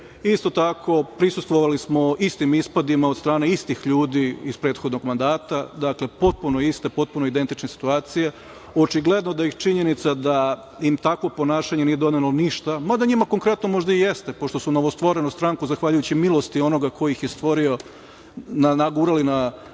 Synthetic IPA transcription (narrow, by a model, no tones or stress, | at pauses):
ist̪o̞t̪akʰo̞pɾisust̪ʋoʋalismo̞ist̪imispad̪imaod̪st̪ɾaːne̞ist̪ixʎuːd̪iispɾe̞ːt̪xo̞d̪no̞ɡmand̪aːt̪ad̪akle̞po̞t̪̚punojist̪e̞po̞t̪̚puno̞id̪e̞nt̪it͡ʃnesi̥t̪uaːt̪sije̞ | o̞t͡ʃiɡlˠe̞d̪nod̪ajixt͡ʃiɲe̞nit̪sad̪a | imt̪akʋo̞po̞naːʃaɲe̞nije̞d̪o̞d̪neloniʃt̪amad̪aɲimako̞ŋkɾe̞t̪nomo̞ʒd̪aije̞st̪e̞po̞ʃt̪o̞suno̞ʋost̪ʋo̞ɾe̞nust̪ɾaŋkuzaxʋaʎujut͡ɕimilˠo̞st̪io̞no̞ɡakʰo̞jixje̞st̪ʋo̞ɾio̞ | nanaɡuːɾalina